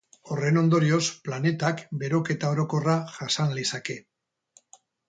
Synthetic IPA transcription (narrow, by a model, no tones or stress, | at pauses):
o̞re̞no̞nd̪o̞ɾio̞splane̞t̪akbe̞ɾo̞ke̞t̪ao̞ɾo̞ko̞raʝasanlisake̞